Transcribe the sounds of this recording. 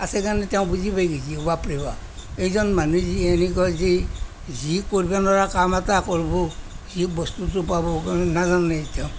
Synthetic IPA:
asɛkanɛteʊ̃buzibajɡizibapɹiba | ejzɔnmanuzienikɔze | zikoɹibanɔɹakamatakɔɹbɔ | zibɔstutup̬abɔknazanːataʊ̃

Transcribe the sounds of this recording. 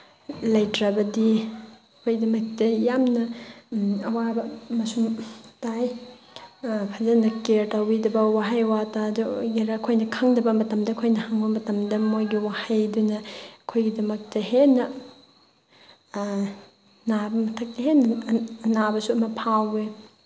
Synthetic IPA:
lɐjtɾabɐdiɐkʰojdɐmɐk̚tɐjamnɐ | ɐwabɐmɐsumtaj | pʰazɐnɐkeɾtawbidɐbɐwaɦajwataduɡiɾakʰojnɐkʰaŋdɐbɐmɐtɐmdɐkʰojnɐhaŋbɐmɐtɐmdɐmojɡiwahajdunɐɐkʰojɡidɐmɐk̚tɐɦenɐ | nabɐmɐtʰɐk̚tɐɦenɐnabɐsuɐmɐpʰawe

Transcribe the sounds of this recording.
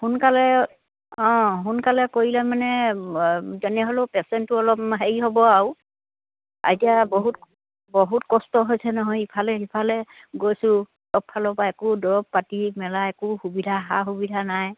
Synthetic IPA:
hunkalɛ | ɔ̃ɦunkalɛkoɹilamanɛ | zɛnɛɦolopɛsɛntuɔlɔpɦeɹiɦɔbɔaw | a̰ɹitijabɔɦut | bɔɦutkɔstɔɦojsɛnɔɦɔjipʰalɛipʰalɛ | ɡojsʊ | tɔpʰːalɔbaɛkʊdɔɹɔb̚patimɛlaɛkʊxubidʱaɦa̰ɦubidʱanaj

